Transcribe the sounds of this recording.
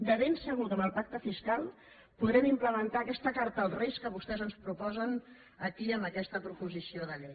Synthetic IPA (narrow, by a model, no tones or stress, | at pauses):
d̪əβensəɣut̪əməlˠpak̚t̪əfiskalˠ | puðɾɛmimpləmənt̪aːkɛst̪əkaɾt̪əlˠreskəβ̞ust̪ɛzənspɾupɔzən | əkiəmbəkɛst̪əpɾupuzisioðəʎej